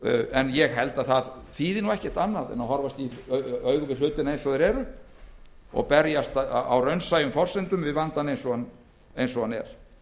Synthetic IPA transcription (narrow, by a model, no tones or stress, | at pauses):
ɛnjɛɣɦɛlt̪aðθaðθiːðɪnuɛhcɛ̥ɾ̥t̪anːaðɛ̰nawhɔɾvast̪iœɥɣʏvɪl̥ʏːt̪ɪnaejnsɔðɛɾɛːɾʏ | ɔ̰ɣpɛɾjast̪a̰wrœɥnsaːjʏmfɔr̥sɛnt̪ʏmvɪðvant̪anejnsɔan | ejnsɔɣanɛ̰ɾ̥